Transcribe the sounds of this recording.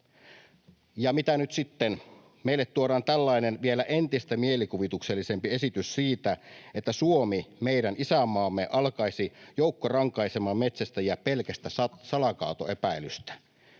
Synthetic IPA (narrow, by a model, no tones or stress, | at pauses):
jɑmit̪ænyt̪sit̪ːen | meilːet̪tuoɾɑːnt̪ælːɑinenʋielæʔent̪ist̪æmielikuʋit̪ukselːise̞mpie̞sit̪yssiːt̪æet̪ːæsuomimeiɾænisæmɑːmːeʔɑlkɑisijoukːorɑŋkɑisemɑːmmet̪sæst̪æjɑpelkæst̪æsɑsɑlɑkɑ̰ːut̪o̰epæilyst̪æ̥